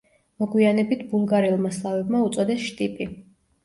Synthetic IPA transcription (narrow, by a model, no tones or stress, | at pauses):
mɔɡwianɛbit̪ʰbulˠɡaɾilˠmaslˠavɛbmaut̪sʼɔd̪ɛsʃt̪ʼipʼi